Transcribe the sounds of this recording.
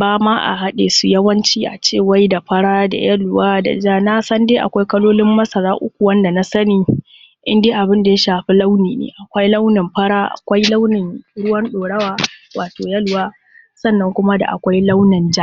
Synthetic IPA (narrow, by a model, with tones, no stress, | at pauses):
baː˦maː˦ʔa̰˨ɦa˦ɗe˨su˨jɐ˦wɐ˦nt͡ʃiː˦ʔa̰˨t͡ʃeː˦˨wa˦jda˨ɸɐ˦ɽaː˦da̰˨jɐ˦lwaː˦da̰˨d͡ʒaː˦na˦sɐ˦ndeː˦ʔa̰˨kʷa˦jkɐ˦loː˦lɪ˦mːɐ˦sɐ˨ɾaː˦ʔʊ̰˦kʷu˨wɐ˦nda˨na˦sɐ˦niː˨ | ʔɪ˦ndeː˦ʔa˨bɪ˦nda˨ja˦ʃaː˨ɸi˦la˦wniː˨nḛː˨ʔa˨kʷa˦jla˦wnɪ˨mɸɐ˦ɽaː˦ʔa̰˨kʷa˦jla˦wnɪ˨ŋɽʊ˦wɐ˦nɗoː˨ɽɐ˦waː˦waː˨toː˨jɐ˦lwaː˦ | sɐ˦˨nːɐ˦ŋkʷʊ˦ma˦da̰˨ʔa̰˨kʷa˦jla˦wnɪ˨nd͡ʒa˦ʔ